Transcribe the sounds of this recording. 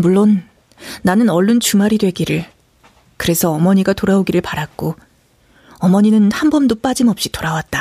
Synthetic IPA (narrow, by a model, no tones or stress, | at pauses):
muɭːon | nanɯnʌɭːunt͡ɕumaɾidwe̞ɡiɾɯɭ | kɯɾe̞sʰʌːmʌɲiɡatoɾaoɡiɾɯɭpaɾak̚k͈o | ʌmʌɲinɯnhambʌmdop͈ad͡ʑimʌp̚ɕ͈itoɾawat̚t͈a